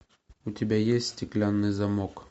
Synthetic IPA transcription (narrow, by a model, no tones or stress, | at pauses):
ut̪ʲɪbʲæjesʲt̪ʲsʲtʲɪklʲanːɨjzɐmok